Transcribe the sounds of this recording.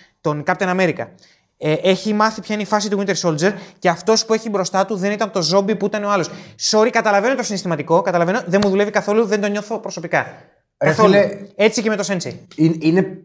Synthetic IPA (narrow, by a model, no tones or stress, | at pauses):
t̪o̞nkɐp̚t̪enɐme̞ɾikɐ | eʔe̞çimɐθipçɐineifɐs̬it̪uɣint̪eso̞ld͡ze̞ɾceɐft̪o̞spue̞çibɾo̞st̪ɐt̪uðe̞nit̪ɐnt̪o̞zo̞bipuit̪ɐneoɐlo̞sso̞ɾikɐt̪ɐlɐve̞not̪o̞sinist̪imɐt̪iko̞kɐt̪ɐlɐve̞noðenmuðule̞vikɐθo̞luðend̪o̞ɲo̞θo̞pɾo̞so̞pikɐ | kɐθole̞t͡sice̞met̪o̞se̞nsejinine